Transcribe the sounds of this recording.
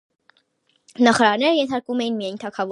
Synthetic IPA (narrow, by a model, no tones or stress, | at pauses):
nɑχɑɾɑɾnɛɾəjɛnt̪ʰɑɾkvumɛjinmijɑjnt̪ʰɑkʰɑv